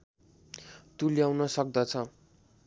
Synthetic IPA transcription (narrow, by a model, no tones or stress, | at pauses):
t̪uljawnʌsʌk̚d̪ʌt͡sʰʌ